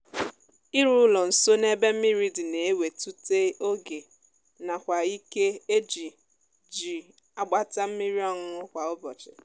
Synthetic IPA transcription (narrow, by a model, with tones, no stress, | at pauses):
i˦ɾu˦lɔ˨n̩˨so˦ne˦be˦m̩˦mi˦ɾi˦di˨ne˨e˦we˨tu˦te˦o˦ɡe˨ | na˨kʷa˨i˦ke˦e˦d͡ʒi˨ | d͡ʒi˨ | a˨ɡ͡ba˦ta˦m̩˦mi˦ɾi˦ɔ˦ŋʊ˦ʊ˦kʷa˨ʊ˦bɔ˨t͡ʃɪ̰˨